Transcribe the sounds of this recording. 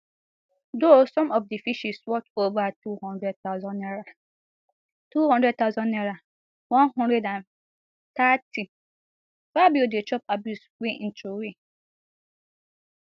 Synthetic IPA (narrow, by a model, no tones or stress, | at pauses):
dosɔ̃mɔfdifiʃiswɔtovaatʰuhɔ̃ndɾɛd̚tʰaʊzɔ̃nːɛɾa | tʰuhɔ̃ndɾɛd̚t̪ʰaʊzɔ̃nːɛɾa | wɔ̃nɦɔ̃ndɛdãn | tʰatʰi | fabiodet͡ʃʰɔpabjuswin̩tʰuwi